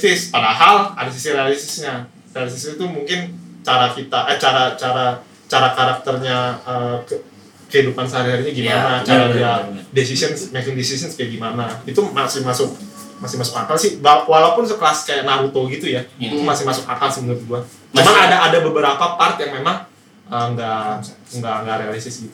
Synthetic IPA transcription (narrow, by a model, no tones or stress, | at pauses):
sɪspadaɦala̰dasisiɾealisəsɲa | realis̬isit̪umuŋkɪnt͡ʃaɾakit̪aʔət͡ʃaɾat͡ʃaɾa | t͡ʃaɾakaɾak̚t̪ərɲaəkə | kəhidupansəɦaɾiɦaɾiɲaɡimanat͡ʃaɾaiadesisənsmekɪŋdesisənskajaʔɡimanait̪umasɪhmasʊk̚ | masɪhmasʊkakalsɪhbawalapʊnsəkəlaskajaʔnaɾut̪oɡit̪ujait̪umasɪhmasʊkakalsimənʊt̪̚ɡua | mamaŋadaːdabəbəɾapapart̪̚jaŋmemaŋ | əŋɡaŋɡaʔŋɡaɾealisɪsɡit̪u̥